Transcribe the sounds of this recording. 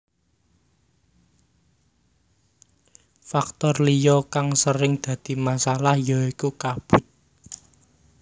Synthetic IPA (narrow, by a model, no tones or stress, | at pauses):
fak̚t̪ɔrlijɔkaŋsəɾɪŋd̪̥ä̤d̪̥i̤masalahjɔikukab̥ʊ̤t̪̚